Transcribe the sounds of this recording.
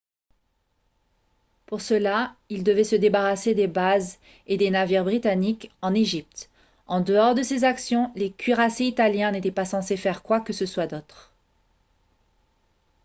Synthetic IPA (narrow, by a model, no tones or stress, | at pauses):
puʁsəlaild̪əvɛsəd̪ebaʁased̪ebaz | ed̪enaviʁbʁit̪anikɑ̃neʒip̚t̪ | ɑ̃d̪əɔʁd̪əsezaksjɔ̃lekʲɥiʁaseit̪aljɛ̃net̪ɛpasɑ̃sefɛʁkwakəsəswad̪ot̪χ